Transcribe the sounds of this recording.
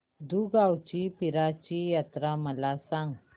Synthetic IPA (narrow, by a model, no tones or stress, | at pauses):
d̪uɡawt͡ɕipiɾat͡ɕijat̪ɾaməlasãŋɡ